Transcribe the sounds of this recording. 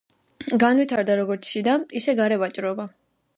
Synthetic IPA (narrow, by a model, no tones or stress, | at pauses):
ɡanwit̪ʰaɾd̪aɾɔɡɔɾt̪sʰʃid̪aisɛɡaɾɛvat͡ʃʼɾɔba